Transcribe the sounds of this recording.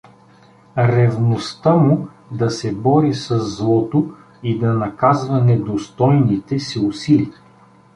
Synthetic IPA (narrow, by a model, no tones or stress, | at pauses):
ɾɛvnost̪əmu | d̪ɐsɛbɔɾisɐzːlˠɔt̪o | id̪ɐnɐkazvɐnɛd̪ost̪ɔjnit̪ɛsiʊsili